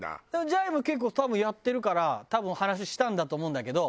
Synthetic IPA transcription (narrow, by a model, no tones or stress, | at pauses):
a̰d̪emod͡ʑaibɯ̟ke̞k̬ːoːt̪abɯ̃ɰ̃jat̪ːe̞ɾɯ̟kaɾat̪abɯ̟̃ɰ̃hanaɕ̬iɕi̥t̪ãnd̪at̪oːmo̞ɯ̟̃nd̪ake̞d̪o̞